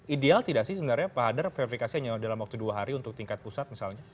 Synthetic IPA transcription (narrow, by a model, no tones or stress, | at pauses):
ʔidealt̪idaʔsɪhsəbənarɲapaɦadərfeɾifikasiaɲadalamwak̚t̪uduaɦaɾiunt̪ʊk̚t̪iŋkat̪̚pusat̪̚misalɲa